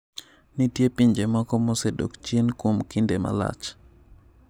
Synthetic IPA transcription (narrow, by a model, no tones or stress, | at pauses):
nitjepiɲd͡ʒemɔkɔmosedo̰kt͡ʃjenkwomkindema̰la̰t͡ʃ